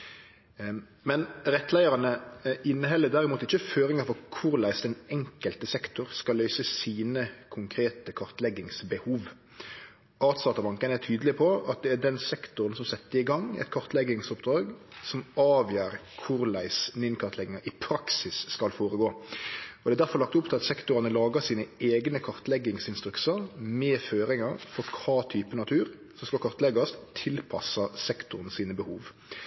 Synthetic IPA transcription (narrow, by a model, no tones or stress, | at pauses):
mɛnɾɛt̪ːlæɪəɾɑnəʔɪnːəɦɛlːəd̪æɾɪmuːt̪ɪçːəføːɾɪŋɑfɔʁkʰʊɾlæɪsd̪ɛnɛŋkəlt̪əsɛkt̪ʊʁskɑlːœʏsəsiːnəkʰʊŋkʰɾeːt̪əkʰɑɾt̪lɛɡɪŋsbəhuːʋ | ɑːt̪sɑːt̪ɑbɑŋkənəæt̪ʰyːd̪lɪpʰɔɑt̪̚d̪ɛæɖɛnsɛkt̪ʊɾənsɔmsɛt̪ːəɾɪɡɑŋːɛ̰t̪kʰɔɾt̪lɛɡɪŋsʊpd̪ɾɑːɡsɔmɑːʋjæːɾkʰʊɾlæɪsnɪnkʰɑʁt̪lɛɡɪŋɑʔɪpʰɾɑksɪsːkɑlfoːɾəɡoːɔd̪ɛæd̪æɾfɔɾlɑkt̪ʊpt̪ɪlɑt̪sɛkt̪ʊɾɑnəlɑːɡəsiːnəeːɡnəkʰɑɾt̪lɛɡɪŋsɪnst̪ɾʉksəɾmɛːføːɾɪŋɑɾfɔɾkʰɑːt̪ʰyːpənɑt̪ʰʉːʁ | sɔskɑlkʰɑɾt̪lɛɡɑst̪ʰɪlpʰɑ̰sɑsɛkt̪ʊʁn̩siːnəbəhuːʋ